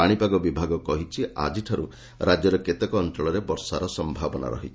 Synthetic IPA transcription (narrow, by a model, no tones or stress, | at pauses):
aɽ̃ipaɡɔbibʱaɡɔkɔɦit͡ʃʰia̰d͡ʒiʈʰɔɾṵ | ɾad͡ʒjɔɾɔket̪ekɔɔnt̪ɾɔɭɔɾebɔɾsaɾɔsɔmbʱabɔna̰ɾɔ̰ɦit͡ʃʰ